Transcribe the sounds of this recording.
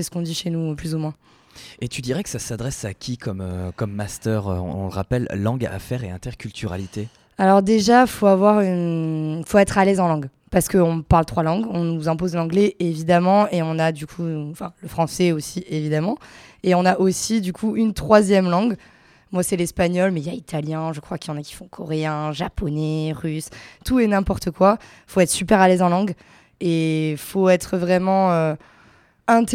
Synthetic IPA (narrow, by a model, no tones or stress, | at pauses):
sɛsə̥kɔ̃d̪iʃenuplyzumwɛ̃ | et̪yd̪iʁɛkə̥sasad̪ʁɛsakʲʰikɔmøkɔmːast̪œːʁø̰ɔ̰̃ɔ̰̃ləʁa̰pɛlːɑ̃ɡa̰fɛʁeɛ̰̃t̪ɛʁkʲylt̪ʰyʁa̰lit̪e | alɔʁd̪eʒafoavwaʁynfoɛt̪χalɛzɑ̃lɑ̃ɡ | paʁsə̥kəɔ̃paʁlt̪χwalɑ̃ɡɔ̃nuzɛ̃pozlɑ̃ɡlɛevid̪amɑ̃eɔ̃nad̪ykʰuɑ̃fɛ̃ləfχɑ̃sɛosievid̪amɑ̃eɔ̃naʔosid̪ykʰuynt̪χwazjɛmlɑ̃ɡ | mwasɛlɛspaɲɔlmɛiljait̪ʰaljɛ̃ʒəkχwakjɑ̃nakʲi̥fɔ̃kʰɔʁeɛ̃ʒapʰɔnɛʁyst̪uɛnɛ̃pɔʁt̪əkwa | foɛt̪χsypɛʁalɛzɑ̃lɑ̃ɡ | efoɛt̪χəvʁɛmɑ̃ø | ɛ̃t̪